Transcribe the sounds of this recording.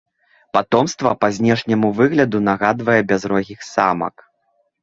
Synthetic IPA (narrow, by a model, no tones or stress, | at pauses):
pat̪ɔmst̪vɐpazʲnʲɛʂnʲɐmuvɨɣlʲɐd̪unaɣad̪vɐjɛbʲazɾɔɣʲixsa̰mɐ̰k